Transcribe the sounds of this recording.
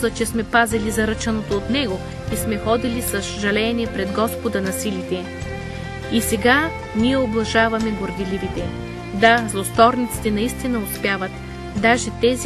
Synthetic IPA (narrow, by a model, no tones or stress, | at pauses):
ɐt͡ʃɛsmɛpazɛlizɐɾɤt͡ʃɐnot̪oːt̪nɛɡo | ismɛxɔd̪ilisɐsʒɐlɛniɛpɾɛd̪ɡɔspod̪ɐnɐsilit̪ɛ | isɛɡa | nijɛoblˠɐʒavɐmɛɡoɾd̪ilivit̪ɛ | d̪azlˠost̪ɔɾnit̪si̥t̪ɛnɐist̪inɐospʲjavɐt̪ | d̪aʒɛt̪ɛzi